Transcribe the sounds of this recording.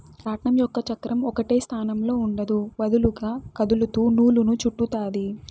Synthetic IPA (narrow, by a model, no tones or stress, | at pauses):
ɾaːʈɳɐmjɔkːɐt͡ʃɐkɾɐmɔkɐʈe̞ːst̪ʰaːnɐmlo̞ːuɳɖɐd̪uʋɐd̪uluɡaːkɐd̪ulut̪uːnuːlunut͡ʃuʈːut̪aːd̪i